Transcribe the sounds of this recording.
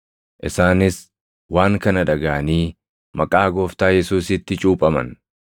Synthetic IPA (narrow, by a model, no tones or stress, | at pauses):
ʔɪsaːnɪs | waːŋkɐnɐᶑɐɡaʔɐniː | mɐkʼaːɡoːft̪aːjɛsuːsɪt̪ːɪt͡ʃʼuːpʼɐmɐ̰n